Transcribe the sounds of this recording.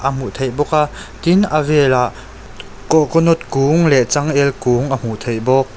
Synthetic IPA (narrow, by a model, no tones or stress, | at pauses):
ʔəm̥ut̪ʰejbɔk̚a | t̪inʔəvɛlaʔ | kɔkɔnɔt̪̚kuːŋlɛʔt͡saŋʔɛlkuŋʔəm̥ut̪ʰejbɔk̚